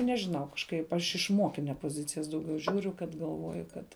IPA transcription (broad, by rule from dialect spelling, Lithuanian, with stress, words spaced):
nʲɛʒʲɪˈnɐʊ kɐʃˈkɐɪp ˈɐʃ ɪʃ ˈmoːkʲɪnʲɛ poːˈzʲɪt͡sʲɪjɛs dɐʊˈɡʲɛʊ ˈʒʲuːrʲʊ kɐt ɡɐlˠˈʋoːjʊ ˈkɐt